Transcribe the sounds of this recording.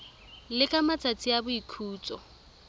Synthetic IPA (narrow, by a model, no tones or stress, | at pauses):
lɪkʼamat͡sʼat͡sʼiabʊikʰuːt͡sʼɔ